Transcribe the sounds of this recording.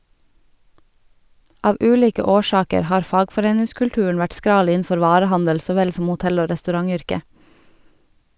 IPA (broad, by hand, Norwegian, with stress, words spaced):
ˈɑːʋ ˈʉːˌliːkə ˈoːˌʃɑːkəɾ ˈhɑːɾ ˈfɑːɡfɔˌɾeːnɪskʉɽˌʈʉːɳ̩ ˈʋæʈ ˈskɾɑːl ˈiːn̩ˌfɔɾ ˈʋɑːɾəˌhɑndəl ˈsoː ˈʋɛl ˈsɔm ʊˈtɛl ˈoː ɾɛstʉˈɾɑŋˌʏɾkə